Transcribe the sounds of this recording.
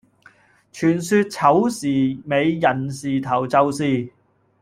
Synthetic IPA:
t͡ʃʰyː˨˩nsyː˧t̚t͡sʰɐ˨˥wsiː˨˩me˨˧jjɐ˨˩nsiː˨t̪ʰɐ˨˩wt͡sɐ˨˧wsiː˨˧

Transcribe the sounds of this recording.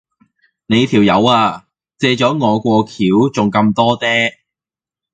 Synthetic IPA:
ne˨˧jt̪ʰiː˨˩wjɐ˨˧waː˧ | t͡sɛː˧t͡sɔː˨˥ŋɔː˨˧kʷɔː˧kʰiː˨˥wt͡sʊ˨˩ŋkɐ˧mt̪ɔː˥t͡sɛː˥

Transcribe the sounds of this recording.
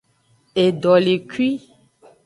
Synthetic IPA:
e˨ɖɔ˨le˨kwi˦

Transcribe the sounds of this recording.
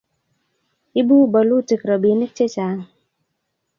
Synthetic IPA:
i˦bu˦bɔ˨lu˦˨ti˨kɾɔ˨bi˨˦ni˦k̚t͡ʃe˦t͡ʃa˨

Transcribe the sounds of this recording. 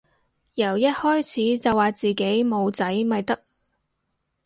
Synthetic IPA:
jɐ˨˩wjɐ˥t̚hɔː˥jt͡sʰiː˨˥t͡sɐ˨wːaː˨˩t͡siː˨ke˨˥jmo˨˧wt͡sɐ˨˥jmɐ˨jt̪ɐ˥k̚

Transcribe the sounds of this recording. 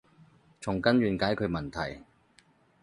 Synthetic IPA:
t͡sʰʊ˨˩ŋkɐ˥nɥyː˨˧nkaː˨˥jkʰɵ˧ɥmɐ˨˩nt̪ʰɐ̰˨˩j

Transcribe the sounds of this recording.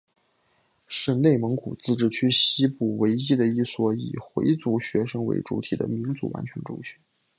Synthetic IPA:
ʂə˧˥˧nne˥˩ɪmɤ˧˥ŋkʰṵ˨˩t͡sɹ̩˥˧ʈ͡ʂɻ̩˥˩t͡ɕʰy˥ɕi˥pu˥˩we˧˥ɪi˥d̪ə˨i˥˩swɔ˧˥ḭ˨˩xwe˧˥ɪt͡su˧˥ɕɥɛ˧˥ʂɤ˥ŋwḛ˧˥ɪʈ͡ʂṵ˧˥t̪ʰi˨˩d̪ə̰˦mi˧˥ŋt͡sṵ˧˥wa̰˧˥nt͡ɕʰɥɛ˧˥nʈ͡ʂʊ̰˥˧ŋɕy˥˧˥

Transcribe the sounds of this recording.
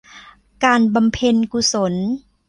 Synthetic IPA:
kaː˧nba˧mpʰe˧nku˧so˩˦n

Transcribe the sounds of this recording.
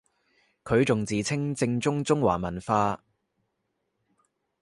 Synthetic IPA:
kʰɵ˨˧ɥt͡sʊ˨ŋt͡siː˨˩t͡sʰɪ˥ŋt͡sɪ˧ŋt͡sʊ˥ŋt͡sʊ˥ŋwa̰ː˨˩mɐ˨˩nfaː˧

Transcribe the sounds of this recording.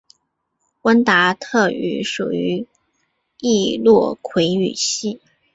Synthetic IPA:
kwə˥nt̪a˧˥t̪ʰɤ˥˩y̰˧˥ʂṵ˨˩y˧˥ | i˥˧lwɔ˥˩kʰwe˧˥ɪy̰˨˩ɕi˥˩

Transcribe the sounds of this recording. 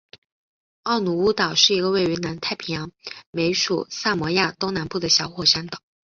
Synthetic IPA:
ɑ˥˩ʊnu˨˥˩u˥t̪ɑ˨˩ʊʂɻ̩˥˩i˧˥ɡə˧we˥˩ɪy˧˥na˧˥nt̪ʰa˥˩ɪpʰi˧˥ŋjɑ˧˥ŋme˧˥ɪʂṵ˨˩sa˥˩mwɔ˧˥ja˥˩t̪o˥ŋna˧˥npu˥˩d̪ə˩ɕjɑ˧˥ʊxwɔ˨˩ʂa˥nt̪ɑ˨˩˦

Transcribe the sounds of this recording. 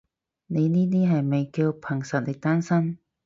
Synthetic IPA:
ne˨˧jniː˥niː˦˥ɦɐ˨˩jme˨˩jki˧wpʰɐ˨˩ŋsɐ˨˩t̚le˨˩t̪aː˥nsɐ˥m

